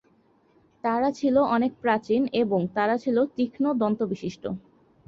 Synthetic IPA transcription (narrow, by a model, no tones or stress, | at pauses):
t̪aɾat͡ɕʰiloʔɔnek̚pɾat͡ɕineboŋt̪aɾat͡ɕʰilot̪ikʰnod̪ɔnt̪obiʃiʃʈo̰